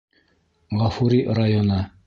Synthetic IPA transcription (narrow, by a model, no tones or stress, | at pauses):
ʁɑfuɾʲirajonɤ